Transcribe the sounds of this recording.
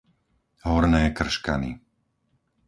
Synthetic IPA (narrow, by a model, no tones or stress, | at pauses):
ɦɔɾnɛːkr̩ʃka̰nḭ